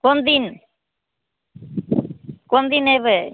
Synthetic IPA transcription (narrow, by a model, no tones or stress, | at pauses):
kond̪in | kond̪ineβe